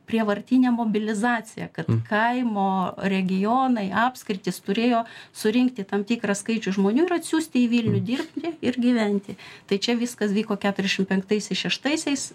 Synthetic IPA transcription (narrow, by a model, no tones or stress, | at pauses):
pʲrʲiɛʋɐrʲt̪ʲinʲɛmoːbʲɪlʲɪzɑːt͡sʲɪjɛ̰kɐt̪kʰɐɪmoːɾʲɛɡʲɪjoːnɐɪɑːpskɾʲɪt̪ʲɪst̪ʊɾʲeːjoːsʊɾʲɪŋkt̪ʲɪt̪ɐmt̪ʲiːkrɑskɐɪt͡ʃʲʊʒmoːnʲuːɪɾɐt̪ʲsʲuːsʲt̪ʲɪiʋʲiːlʲnʲʊd̪ʲiːrpʲt̪ʲɪɪrɡʲiʋʲɛnʲt̪ʲɪt̪ɐɪt͡ʃʲɛʋʲɪskɐsʋʲiːkoːkʲæːt̪ʊɾʲzʲɛʃʲɪmpʲɛŋkt̪ɐɪsʲɛɪsʃʲɛʃt̪ɐɪsʲɛɪs